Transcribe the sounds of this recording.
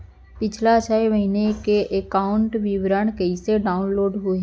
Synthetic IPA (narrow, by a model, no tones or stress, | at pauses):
pɪt͡ʃʰlat͡ʃʰɛeməɦinekeʔekaːʊɳʈʋɪʋɾəɳ̃kəiseɖaːʊnloːɖɦʊe